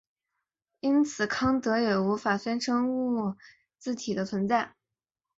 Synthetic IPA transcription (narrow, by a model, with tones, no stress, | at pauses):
i˥nt͡sʰɹ̩˨˩kʰɑ˥ŋt̪ɤ˧˥jɛ˨˩u˧˥fa˨˩sjɛ˥nʈ͡ʂʰɤ˥ŋu˥˩˥ | t͡sɹ̩˥˩t̪ʰi˨˩d̪ə˦t͡sʰwə˧˥nt͡sa˥˩ɪ